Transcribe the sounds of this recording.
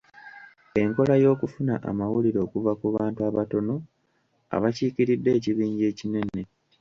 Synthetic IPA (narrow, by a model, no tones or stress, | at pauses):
e̞ŋko̞lajo̞ːkufunaʔa̰mawuliɾo̞ːkuvakuβaːntuaβato̞no̞ | a̰βaciːkiɾidːe̞ːciβiːɲɟe̞ːcine̞ne̞